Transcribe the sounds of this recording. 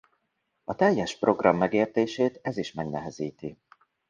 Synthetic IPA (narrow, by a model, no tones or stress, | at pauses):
ɒt̪ɛjːɛʃpro̞ɡrɒmːɛɡeːrt̪eːʃeːt̪ɛziʃmɛɡnɛɦɛziːt̪i